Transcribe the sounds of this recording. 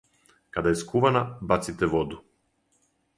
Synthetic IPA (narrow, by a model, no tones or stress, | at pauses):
kad̪aɛskuvanabat̪sit̪ɛvɔd̪u